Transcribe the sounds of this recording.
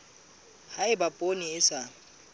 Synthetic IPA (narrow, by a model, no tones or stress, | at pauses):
haɪbapʼoniɪsa